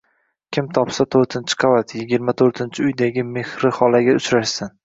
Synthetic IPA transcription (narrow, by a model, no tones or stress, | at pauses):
kʲʰɪmt̪ʰɒpsat̪ʰoɾt̪ʰɪnt͡ʃʰɪ̥qʰavat̪ʰjɪɡʲɪɾmat̪ʰoɾt̪ʰɪnt͡ʃʰɪʊjd̪aɡʲɪme̞hɾɪχɒlˠaɡʲaʊt͡ʃɾaʃsɪn